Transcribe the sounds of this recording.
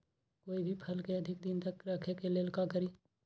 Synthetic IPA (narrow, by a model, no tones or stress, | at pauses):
koːibʱipʰɐlkeɐd̪ʱɪk̚d̪ɪnt̪əkɾɐkʰekelelkakəɾiː